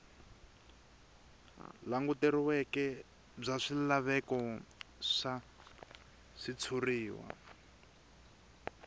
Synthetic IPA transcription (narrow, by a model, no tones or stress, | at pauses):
laŋɡuteɾiwɛkɛ | b͡ʐaʂilaβɛkɔ | ʂa | ʂit͡sʰuriːwa̰